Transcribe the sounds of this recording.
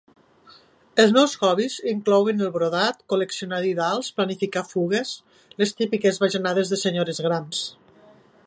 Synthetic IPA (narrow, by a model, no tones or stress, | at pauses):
elˠznɔwzɣɔβiziŋklɔwenelˠβɾoðat̪koleksionaðiðalˠsplanifikafuɣ̞es | lest̪ipikezβaʒenað̞ezðeseɲoɾezɣɾans